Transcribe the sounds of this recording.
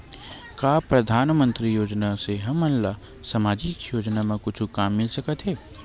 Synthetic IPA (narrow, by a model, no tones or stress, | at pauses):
kaːpɾɐd̪ʱaːnmə̃nt̪ɾijoːd͡ʒnaseɦɐmːɐnla | sɐmaːd͡ʒikjoːd͡ʒnamãkʊt͡ʃʰukaːmːɪlsɐkət̪ɦɛː